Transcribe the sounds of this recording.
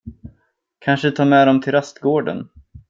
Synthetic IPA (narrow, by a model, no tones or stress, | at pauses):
kʰanʂət̪ʰɑːɾmɛd̪ɔmt̪ʰɪlast̪ɡoːɖə̰n